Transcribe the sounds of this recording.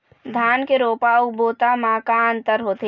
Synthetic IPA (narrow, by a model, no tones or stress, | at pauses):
d̪ʱaːnkeɾoːpauboːt̪amaːkaːnt̪əɾɦoːt̪e